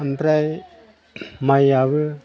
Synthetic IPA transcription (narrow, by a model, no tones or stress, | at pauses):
anpɾaj | majaβɯ